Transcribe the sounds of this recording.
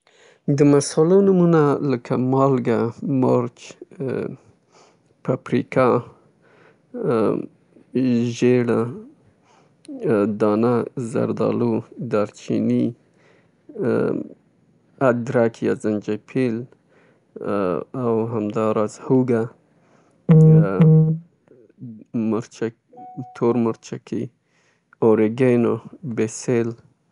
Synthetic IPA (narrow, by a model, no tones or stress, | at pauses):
d̪əmasɑlanumunaləkʰamɑlɡamoɾt͡ʃ | papɾika | ʒeɽa | d̪ɑnaza̰ɾd̪ɑ̰lud̪aɾt͡ʃḭni | ad̪ɾakʰijazand͡ʒapʰil | awɦamd̪ɑɾɑzhuɡa | mʊɾt͡ʃa | t̪ʰoɾmʊɾt͡ʃakʰḭ | oɾeɡenobesel